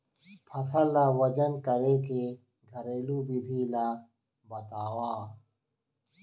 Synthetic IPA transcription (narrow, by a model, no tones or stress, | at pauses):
pʰɐsɐlːawɐd͡ʒɐnkɐɾeːke | ɡʱɐɾeːlubid̪ʱiːlaː | bɐt̪aːwaː